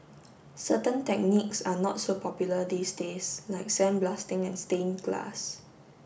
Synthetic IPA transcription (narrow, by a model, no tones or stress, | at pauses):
sətə̃ntɛk̚niksanɔtsopʰɔpjulədiːsdeslaɪk̚sɛ̃nblastɪ̃ŋɛ̃nstẽnɡla̰s